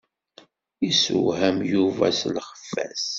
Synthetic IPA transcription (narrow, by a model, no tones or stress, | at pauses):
isṵɦæmjuvæ̰slχə̥fːæs